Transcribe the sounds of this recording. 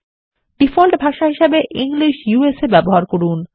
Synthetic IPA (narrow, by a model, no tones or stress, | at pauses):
ɖ̥ifolʈbʱaʃaɦiʃebeʔiŋliʃjuesebɛboɦaɾkoɾun